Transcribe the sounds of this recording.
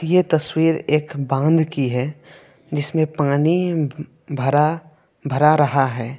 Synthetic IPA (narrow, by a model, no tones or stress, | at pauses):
jet̪ɐswiːɾeːkbãːnd̪kiɦɛ | d͡ʒɪsmẽpaːni | bʱɐɾa | bʱɐɾaɾɐɦaɦɛː